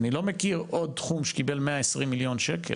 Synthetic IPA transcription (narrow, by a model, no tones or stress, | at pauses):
nilo̞mekiʁod̚t̪χumʃe̥kibelmeaesʁimːiljo̞nʃekʰḛl